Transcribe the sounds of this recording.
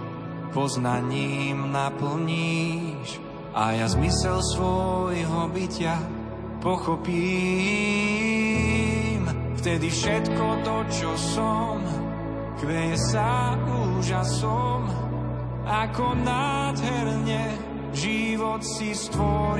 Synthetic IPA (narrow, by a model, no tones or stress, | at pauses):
pɔznaɲiːmnapl̩ɲiʃ | ʔa̰jazmisɛlsʋɔjɦɔbicɪa | pɔxɔpiː | m | ft̪ɛd̪ifʃɛt̪kɔt̪ɔt͡ʃɔsɔm | kʋɛsauːʒasɔm | akɔnaːd̪ɦɛɾɲɛ | ʒiʋɔt̪sist̪ʋɔɾ